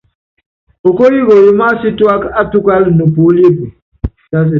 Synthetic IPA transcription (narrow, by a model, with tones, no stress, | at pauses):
o˨ko˦ji˦ɣo˨ji˦ma˦si˦twa˦ka˦tu˦ka˦lnu˨pu˨˦li˦pi˨ | a˦si˨